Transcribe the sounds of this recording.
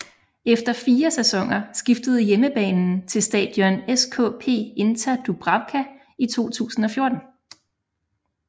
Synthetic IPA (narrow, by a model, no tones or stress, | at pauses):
efd̥ɐfiːɐsæsɒ̽ŋ̰ɐsɡ̥ifd̥əð̞̩ˠjeməb̥ɛ̰ːnn̩t͡sʰe̝lsd̥ɛ̰ːd̥jɒneskʰɔ̰̽ːpʰe̝̰ːe̝nt͡sʰæd̥ub̥ʁɑ̈ʊkʰæ | it͡sʰo̝̰ːt͡sʰṵːsn̩ɒ̽fjo̝ɐd̥n̩